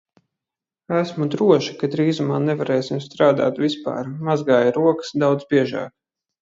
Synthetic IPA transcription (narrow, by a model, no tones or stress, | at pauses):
æsmud̪ɾuɔʃi̥kad̪ɾiːzumaːnɛvaɾɛːsimst̪ɾaːd̪a̰ːt̪vʲispa̰ːɾmazɡaːjɾuɔkə̥sd̪awd̪zbʲiɛʒa̰ːk